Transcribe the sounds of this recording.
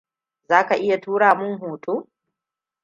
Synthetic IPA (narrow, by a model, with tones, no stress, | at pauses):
zaː˦ka˨ʔɪ˦ja˨tuː˦ɽaː˨mʊ˦ŋɦuː˨tʰuː˦